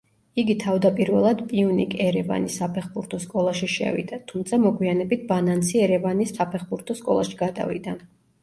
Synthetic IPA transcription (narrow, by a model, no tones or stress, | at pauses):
iɡit̪ʰavd̪apʼiɾvɛ̰lˠad̪pʼiunḭkʼɛɾɛva̰nisapʰɛχbuɾt̪ʰɔskʼɔlˠaʃiʃɛ̰vḭd̪̥at̪ʰumt̪sʰamɔɡwianɛbit̪̚ʰbanant̪siɛɾɛvanissapʰɛχbuɾt̪ʰɔskʼɔ̰lˠa̰ʃiɡ̥ad̪a̰vḭd̪a